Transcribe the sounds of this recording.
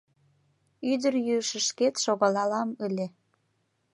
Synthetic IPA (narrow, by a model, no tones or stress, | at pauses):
yd̪ərjyəʃə̆ʃket̪ʃoɣɑlɑlɑməlʲe